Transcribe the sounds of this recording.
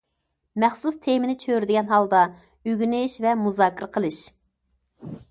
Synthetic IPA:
mɛχsust̪ʰemɪnɪt͡ʃʰøɾd̪ɪɡʲɛnɦɑlˠd̪ɑ | yɡʲynɪʃvɛmuzɑːkʰʲɪɾəqʰəlˠɨʃ

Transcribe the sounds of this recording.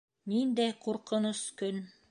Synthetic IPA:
nind̪æjquɾqɤ̆noskɵn

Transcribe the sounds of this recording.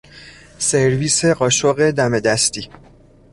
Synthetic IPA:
seɾviːse̞ɢɒːʃoɣe̞d̪æme̞d̪æst̪iː

